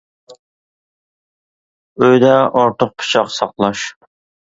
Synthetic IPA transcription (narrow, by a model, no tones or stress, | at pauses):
øjd̪ɛoɾt̪ʰʊq̚pʰɨ̥t͡ʃʰɑqsɑqlˠɑʃ